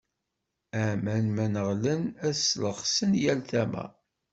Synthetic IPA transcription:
æmænmænəʁlənæsləʁsənjælθæmæ̰

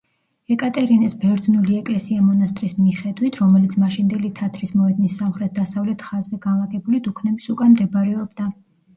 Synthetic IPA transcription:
ɛkʼat̪ʼɛɾinɛsbɛɾd̪znuliɛkʼlɛsiamɔnast̪ʼɾismiχɛd̪wit̪ʰɾɔmɛlit̪sʰmaʃind̪ɛlit̪ʰat̪ʰɾismɔɛd̪nisːamχɾɛt̪̚d̪asavlɛt̪ʰχazːɛɡanlˠaɡɛbulid̪ukʰnɛbisukʼanmd̪ɛbɾɛɔbd̪a

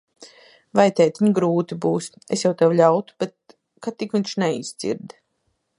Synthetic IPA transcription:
vajt̪ɛjt̪iɲɡɾuːt̪ibuːs | esjawt̪awlʲawt̪u̥b̥et̪̚ | kat̪ːikviɲʃnɛiszḭɾd̪

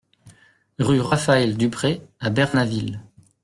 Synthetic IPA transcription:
ʁyʁafaɛld̪ypχeabɛʁnavil

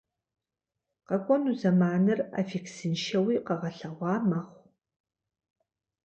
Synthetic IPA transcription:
qɐkʷʼɔnuzɐmaːnɨra̰fiksɨnʃɐwiːqɐʁɐɬɐʁʷɑːmɐχʷ

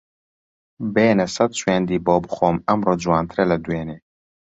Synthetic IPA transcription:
beːnɛsɛt̪̚t͡ʃweːnd̪iːboːbɨxoːmɐmroːd͡ʒuwɑːnt̪ʰɨɾɛlɐd̪uweːneː

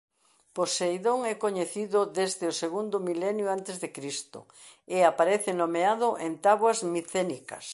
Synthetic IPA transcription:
posejðoŋɛkoɲeθiðʊðezðɪʊseɣund̪ʊmilɛnjʊant̪ezðekɾist̪ʊ̰ | eapaɾɛθɪnomeaðʊʔent̪aβwɐzmiθenikɐ̰s

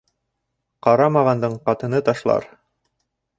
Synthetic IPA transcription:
qɑɾɑmɑʁɑnd̪ɤɴqɑt̪ɤ̆nɤt̪ɑʃlˠɑ̰ɾ

